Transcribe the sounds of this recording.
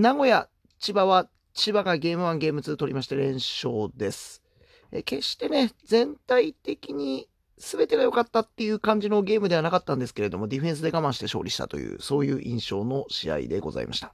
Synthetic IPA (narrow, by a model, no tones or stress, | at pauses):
naɡo̞ja | t͡ɕibaβa | t͡ɕibaɡaɡʲe̞ːmɯ̟βãŋɡe̞ːmɯ̟t͡sɨːt̪o̞ɾʲimaɕi̥t̪eɾẽ̞ɰ̃ɕo̞ːd̪e̞sɨ̥ | ḛke̞ɕt̪e̞ne̞d͡zẽ̞nt̪ait̪e̞kʲiɲ̟i | sɨbe̞t̪e̞ɡajo̞kat̪ːat̪ːe̞jɯ̟ːkãɲ̟d͡ʑino̞ɡʲe̞ːmɯd̪e̞βanakat̪ːãnd̪e̞sɨ̥ke̞ɾe̞d̪o̞mo̞d̪ʲiɸẽ̞ɰ̃s̬ɨd̪e̞ɡamãɰ̃ɕi̥t̪e̞ɕo̞̰ːɾʲiɕi̥t̪a̰t̪o̞̰jɯ̟̰ːso̞ːjɯ̟ːʔĩɰ̃ɕo̞ːno̞ɕḭa̰ḭd̪e̞̰ɡo̞̰za̰ḭma̰ɕi̥t̪ḁ